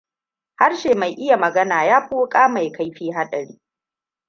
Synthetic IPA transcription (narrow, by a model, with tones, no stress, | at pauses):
ha˦rʃeː˨ma˨jʔɪ˦ja˨mɐ˨ɡɐ˦naː˨jaː˦ɸuː˦kʼaː˦ma˨jka˦jɸiː˦ɦa˦ɗɐ˨ɽiː˦